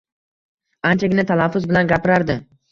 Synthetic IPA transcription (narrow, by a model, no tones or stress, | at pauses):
ant͡ʃʰaɡʲɪnat̪ʰalafːʊzbɪlanɡʲapɪɾaɾd̪ɪ